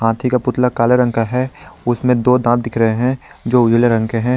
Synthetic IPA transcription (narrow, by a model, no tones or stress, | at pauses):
ɦãːt̪ʰikapʊt̪lakaːleɾə̃ŋkaɦɛʊsmẽd̪oːd̪ãːt̪̚d̪ɪkʰɾɐɦeɦɛ̃d͡ʒoːʊd͡ʒleɾɐ̃ŋkeɦɛ̃ː